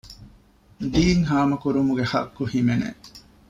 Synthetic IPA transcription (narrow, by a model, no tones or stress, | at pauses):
d̪iːŋɦaːmɐkuɾumuɡehɐ̰kːuhimenḛ